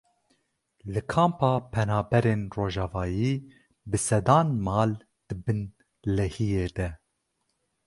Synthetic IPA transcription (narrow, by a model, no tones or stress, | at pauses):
lɨkʰɑːmpɑːpʰɛnɑːbɛɾeːnroːʒɑːvɑːjiː | bɨsɛd̪ɑːnmɑːl | d̪̥ɨbɨn | lɛhijeːd̪ɛ